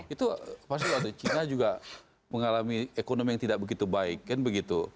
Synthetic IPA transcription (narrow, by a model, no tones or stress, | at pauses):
it̪upas̬t̪iat̪ut͡ʃinad͡ʒuɡa | məŋalamiekonomijaŋt̪idaʔ̚bəɡit̪ubaɪkːanbəɡit̪u